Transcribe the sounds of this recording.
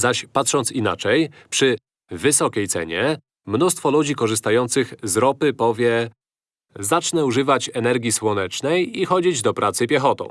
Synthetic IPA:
zaɕpat̪ʂɔnt̪sina̰t͡ʂɛjpʂɘ | vɘsɔkʲejt̪sɛ̰ɲɛ | mnust̪fɔlud͡ʑikɔʐɘst̪ajɔnt̪sɘxzɾɔpɘpɔvʲjɛ | zat͡ʂnɛuʐɘvat͡ɕɛnɛɾɡʲiswɔnɛt͡ʂnɛjixɔd͡ʑid͡ʑd̪ɔpɾʔat̪sɘpʲjɛxɔt̪ɔ̰̃w̃

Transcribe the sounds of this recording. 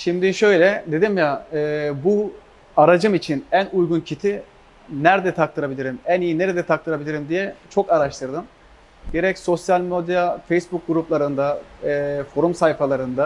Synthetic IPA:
ʃimd̪iʃø̞jlʲɛd̪e̞d̪imjaɯːbu | aɾad͡ʒɯmit͡ʃʰinænujɡuncʰit̪ʰi | næɾd̪ɛt̪ʰak̚t̪ʰɯɾabilʲiɾimænijine̞ɾed̪ɛt̪ʰak̚t̪ʰɯɾabilʲiɾimd̪ijɛt͡ʃʰo̞kaɾaʃt̪ʰɯɾd̪ɯm | ɟe̞ɾɛcso̞sjalʲmod̪jafejsbuk̚ɡuɾuplˠaɾɯnd̪a | fo̞ɾumsajfalˠaɾɯnd̪a

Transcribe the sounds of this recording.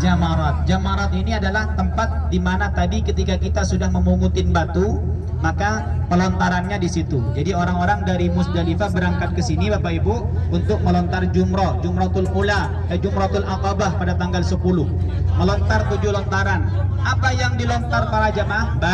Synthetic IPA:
d͡ʒamaɾɔt̪̚d͡ʒamaɾɔt̪̚iniadalaht̪əmpat̪̚dimanat̪adikət̪ikakit̪asudahməmuŋut̪ɪnbat̪u | maka | pəlɔnt̪aɾanɲadisit̪ud͡ʒadioɾaŋoɾaŋdaɾimʊsdalifabəɾaŋkat̪̚kəsinibapaibu | unt̪ʊk̚məlɔnt̪ard͡ʒumɾɔd͡ʒumɾɔht̪ʊlkula | ad͡ʒumɾɔt̪ʊlakɔbahpadat̪aŋɡalsəpulʊhməlɔnt̪art̪ud͡ʒʊhlɔnt̪aɾanapajaŋdilɔnt̪arpaɾad͡ʒamahba

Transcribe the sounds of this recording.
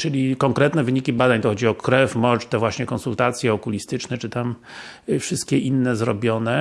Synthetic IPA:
t͡ʂɘlʲikɔŋkɾɛt̪nɛvɘɲikʲibad̪aɲt̪ɔxɔd͡ʑiɔkɾɛfmɔt͡ʂt̪ɛvwaɕɲɛkɔnsult̪at̪sʲjɛɔkulʲist̪ɘt͡ʂnɛt͡ʂɘt̪am | fʂɘst̪̚kʲɛʔinːɛzɾɔ̰bʲjɔnɛ

